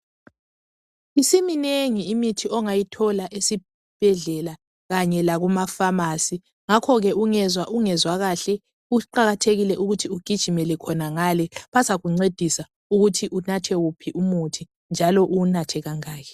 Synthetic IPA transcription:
isimineŋiːmitʰiɔŋajitʰɔlaʔesi | b̥ʱɛɮɛla | ɣaɲɛlaɣumafamasi | ŋakʰɔɣɛʔuŋɛzaʔuŋɛzwaɣaɬɛ | uǃaɣatʰeɣilɛʔuɣutʰiuɡ̥ʱid̥ʒ̥ʱimɛlɛkʰɔnaŋalɛβasaɣuŋ͡ǀed̥ʱisa | uɣutʰiʔunatʰɛwupʰiʔumutʰi | nd͡ʒʱalɔʔunatʰɛɣaŋaːkɛ

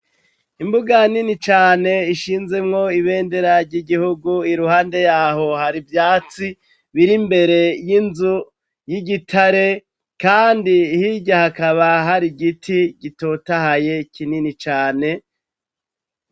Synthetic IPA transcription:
imbuɡaninit͡ʃaːne̞iʃiːnze̞mŋo̞iβe̞ːnde̞ɾaɾɟiɡihuɡuiɾuhaːnde̞jaːɦo̞haɾivjaːt͡si | βiɾimbe̞ɾe̞jinzu | jiɡitʰaɾe̞ | kaːndihiɟahakaβaɦaɾiɡitʰiɟitotahaje̞kininit͡ʃaːne̞

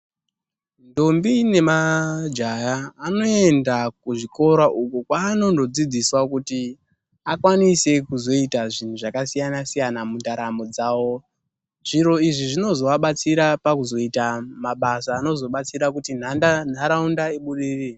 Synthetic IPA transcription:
ndombine̞mad͡ʒajaːno̞e̞ndakuʐiko̞ɾaʔukukwaːno̞ndo̞d͡zid͡ziswakuti | akwanise̞kuzo̞itaʐin̤uʐakasijanasijanamundaɾamo̞d͡zaːwo̞ | ʐ̥iɾo̞iʐiʐino̞zo̞ʋaɓat͡siɾapakuzo̞itamaɓasaːno̞zo̞ɓat͡siɾak̬utin̤andan̤aɾaundaeɓuɗiːri

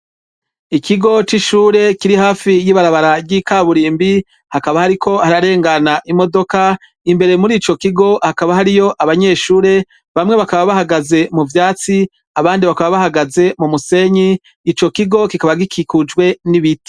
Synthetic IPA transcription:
ikʰiɡo̞t͡ʃiʃuːɾe̞kiɾihaːfijiβaɾaβaɾabɡiːkaβuɾiːmbi | hakaβahaɾikʰo̞haɾaɾe̞ːŋɡanaʔimo̞do̞ka | imbe̞ɾemuɾiːt͡ʃo̞kiɡo̞hakaβahaɾijo̞ʔaβaɲe̞ːʃuːɾe̞ | βamŋe̞βakaβaβahaɡaze̞muvjaːt͡si | aβaːndiβakaβaβahaɡaze̞mumuse̞ɲiː | t͡ʃo̞kiɡo̞kikaβaɡikʰikud͡ʒɡwe̞niβiti̥

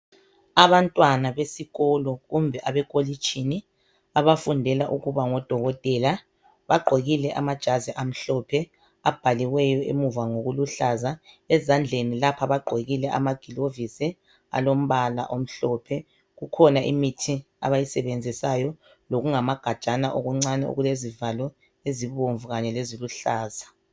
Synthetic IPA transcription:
aβantʼwanaβesiɣɔlɔɣumbʱɛʔaβɛkʼolit͡ʃʰʼini | aβafundʱɛlaʔuɣuβaŋɔd̥ʱɔɣɔtʼɛla | βaɡ͡ǃʱeɣilɛʔamad̥ʒ̥ʱaziʔam̩ɬɔpʰɛ | ab̥ʱaliɣwɛjɔʔḛmuvaŋoɣuluɬaza | ɛzand͡ɮʱenilapʰaβaɡ͡ǃʱeɣilɛʔa̰maɡ̥ʱilovisi | a̰lom̩βala̰ʔom̩ɬɔpʰɛ | ɣukʰɔnaʔḭmitʰi | a̰βajisɛβend͡zʱisajɔ | loɣuŋamaɡ̥ʱḁt͡ʃʼanaʔoɣuŋ͡ǀanɛṵɣulezivalɔ | eziβoɱvuɣaɲɛleziluɬaːza

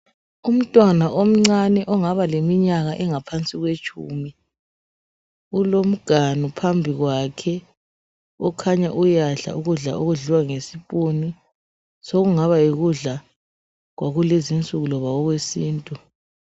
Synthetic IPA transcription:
um̩tʼwanaʔom̩ŋ͡ǀanɛʔɔŋaβalemiɲaɣaʔɛŋapʰant͡sʼiɣwet͡ʃʼuːmi | ulom̩ɡ̥ʱanupʰambʱiɣwakʰɛ | ɔkʰaɲaʔujaɬa̰uɣuɮa̰ʔuɣuɮiwaŋesipʼoni | soɣuŋaβaiɣuɮa | ɣwʔaɣulezint͡sʼuɣulɔβaɣɔɣwesiːntʼu

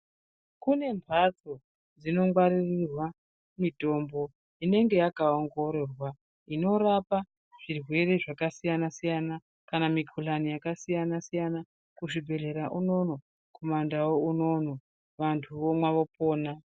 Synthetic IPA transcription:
kune̞mpʰat͡so | d͡zino̞ŋɡwaɾirirwa | mito̞mbo̞ | ine̞ŋɡe̞jakaoŋɡo̞ɾorwa | ino̞ɾapa | ʐ̥irwe̞ɾeʐakasijanasijana | kanamikʰulanijakasijanasijana | kuʐibʱe̞ɮe̞ɾaʔuno̞no̞ | kʰomandawouno̞no̞ | ʋantʰuʋomwaʋo̞po̞ːna

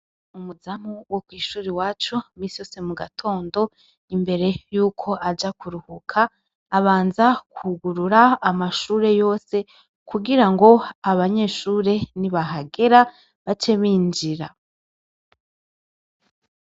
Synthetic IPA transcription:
umuzam̥uwokwiːʃuːɾiwaːt͡ʃumiːsijo̞ːse̞muɡatʰo̞ːndo̞ | imbe̞ɾe̞juːkʰo̞ʔad͡ʒakuɾuhukʰaː | βaːnzakuɡuɾuɾaːmaʃuːɾe̞jo̞ːse̞ | kʰuɡiɾaŋɡo̞aβaɲe̞ʃuːɾe̞niβaɦaɡe̞ɾa | βat͡ʃeβiːnd͡ʒiɾa

